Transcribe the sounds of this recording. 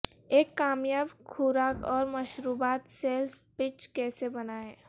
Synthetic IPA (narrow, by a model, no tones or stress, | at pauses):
eːkːaːmjaːbkʰuːɾaːkɔːɾmɐʃɾuːbaːt̪seːlspɪt͡ʃkɛːsebɐnaɛː